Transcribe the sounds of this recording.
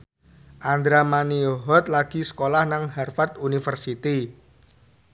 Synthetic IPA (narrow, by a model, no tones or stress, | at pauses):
ʔand̪ɾamanioɦɔt̪̚laɡ̥i̤sə̥kolahnaŋharfat̪unifərsit̪i